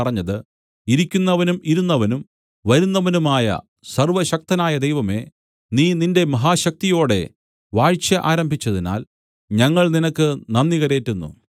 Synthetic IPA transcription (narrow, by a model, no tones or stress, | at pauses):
ɐrɐɲːɐðɨ | iɾikʲːunːɐʋɐnumiɾunːɐʋɐnum | ʋɐɾunːɐʋɐnumaːjɐ̰ | sɐrʋɐɕɐk̚t̪ɐnaːjɐd̪ejʋɐme̞ | niːninde̞mɐɦaːɕɐk̚t̪ijo̞ːɽe̞̰ | ʋaːɻt͡ɕjɐʔaːɾɐmbʱit͡ɕːɐðina̰ːl | ɲɐŋːɐɭninɐkːɨnɐnːiɣɐɾeːtːunːṵ